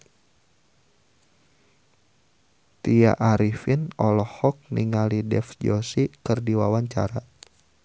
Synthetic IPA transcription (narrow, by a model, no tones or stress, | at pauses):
t̪ia̰ʔaɾifinɔlɔhɔk̚niŋalidɛ̰fd͡ʒɔsikɨrdiwawaɲt͡ʃa̰ɾa